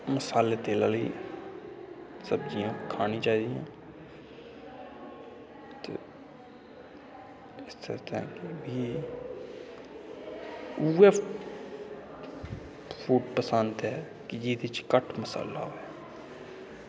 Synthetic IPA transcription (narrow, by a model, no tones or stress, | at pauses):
məsaːleːt̪eːla̰ːləḭː | səbd͡ʒijãːkʰaːnĩːt͡ʃaːiːd̪ijã̰ː | t̪ḛː | ɪst̪ḛːt̪ã̰ːkebiː | uːɛ | pʰuːʈpəsənt̪ɦɛː | kɪd͡ʒiːd̪ɪt͡ʃkəʈʰməsa̰ːla̰ːɦoːɛː